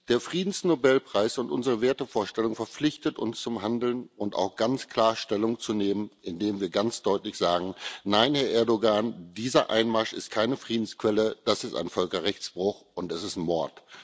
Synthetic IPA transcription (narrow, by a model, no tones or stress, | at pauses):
d̥eːɐfʁ̥iːdn̩snobɛlpʁ̥aɪsʊntʔʊnzəʁəveːɐtəfoːɐʃtɛlʊŋfɛɐp͡flɪçtətʊ̰nst͡sʊmɦandl̩nʊnta̰ʊxɡ̥ant͡skʰl̥aːɐʃtɛlʊŋt͡suneːmənɪndeːmviːɐɡant͡sd̥ɔʏtlɪçz̥aːɡŋ̩naɪnhɛɐʔɛɐdoɡand̥iːzɐʔa̰ɪnmaʃɪst̚kʰaɪnəfʁ̥iːdn̩skv̥ɛləd̥asɪsta̰ɪnfœlkɐʁɛçt͡sb̥ʁʊxʔʊntɛsɪstmɔɐt